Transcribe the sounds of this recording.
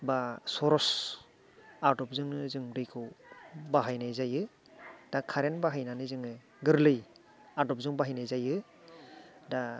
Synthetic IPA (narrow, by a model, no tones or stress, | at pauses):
basɔɾɔs | aɾdɔp̚zɯŋɯzɯŋdɯjkʰɯwbaɦajnajzajɯ | d̥akʰaɾenbaɦajnanɯzɯŋɯ | ɡɯɾlɯj | adɔp̚zɯŋbaɦajnajzajɯ | da